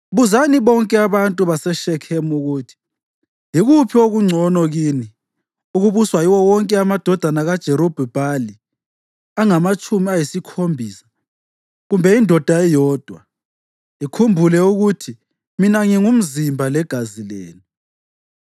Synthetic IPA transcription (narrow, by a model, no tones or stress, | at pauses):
βuzaniβɔŋkʼɛaβantʼuβasɛʃɛkʰɛmuɣutʰi̥ | iɣupʰioɣuŋ͡ǀʱɔnɔɣiːni | uɣuβuswajiwɔwɔŋkʼɛamad̥ʱɔd̥ʱanaɣad̥ʒ̥ʱɛɾob̥ʱɛb̥ʱali | aŋamat͡ʃʼumiajisikʰombʱiːsḁ | ɣumbʱɛindʱɔd̥ʱaɛjɔːd̥ʱwa | ikʰumbʱulɛuɣutʰi | minaŋiŋum̩zimbʱalɛɡ̥ʱazilḛːni